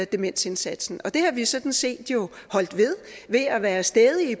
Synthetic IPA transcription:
d̥e̝men̰se̝nsæd̥sn̩ɒ̽d̥e̝hɑ̈ʋisɒ̽d̥n̩se̝̰ːd̥jo̝hɒ̽l̰d̥ʋe̝ð̞ˠʋe̝æʋæːɐsd̥ɛːðˠiː

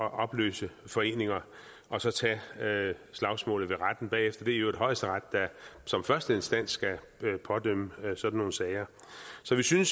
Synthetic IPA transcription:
ɒ̽ʔɒ̽b̥lø̰ːsəfɒ̽e̝̰ːne̝ŋɐ | ɒ̽sɒ̽t͡sʰɛ | slɑ̈ʊsmɔ̰̽ːlð̩ˠʋe̝ʁad̥n̩b̥ɛ̰ːefd̥ɐd̥e̝æɐjoe̝̥ɦɒ̽ɪsd̥əʁɑ̈d̥ːæsɒ̽mfɶɐsd̥əe̝nsd̥æn̰sːɡ̥æ | pʰɒ̽d̥øm̰əsɒ̽d̥n̩ːo̝ːn̩sɛːɪɐ | sɒ̽ʋisyns

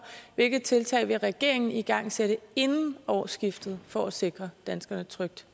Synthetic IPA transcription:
ʋe̝lɡ̥ð̩ˠt͡sʰe̝lt͡sʰɛ̰ɪʋe̝ʁɛɡ̥e̝ɐ̰eŋn̩iɡ̥ɑ̈ŋ̰seɾəe̝nn̩ɒʊsɡ̥ifd̥ð̞̩ˠfɒæse̝ɡ̥ʁɐd̥ænsɡ̥ɐnət͡sʰʁœɡ̥̚d̥

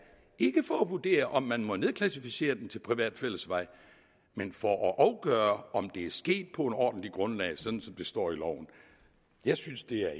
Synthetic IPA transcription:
e̝ɡ̥əfɒæʋuɐd̥e̝̰ːɐʔɒ̽mːænmɒ̽ne̝ð̞ˠkʰlæsifise̝̰ːɐd̥ent͡sʰe̝lpʰʁiʋɛ̰ːd̥fel̰əsʋɑ̈ɪ̰ | menfɒʔɒʔɑ̈ʊɡ̥œːɐɒ̽md̥e̝æɐsɡ̥e̝̰ːd̥̚pʰɒ̽e̝nɒ̰ːd̥n̩liɡ̥ʁɔ̽nlɛ̰ɪsɒ̽d̥n̩sɒ̽md̥e̝sd̥ɒ̰ːilɒʊ̰n̩ | jɑ̈ɪsynsd̥e̝æɐ

